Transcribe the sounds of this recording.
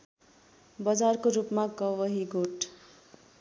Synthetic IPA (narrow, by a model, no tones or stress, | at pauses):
bʌd͡zarkoɾupmaɡʌwʌɦiɡoʈ